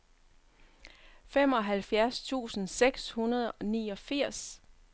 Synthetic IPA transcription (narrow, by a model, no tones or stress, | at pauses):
fem̰ɒ̽ɦælfjæɐst͡sʰṵːsn̩seɡ̥shunɐð̞ˠɒ̽niːɒ̽fiɐ̰s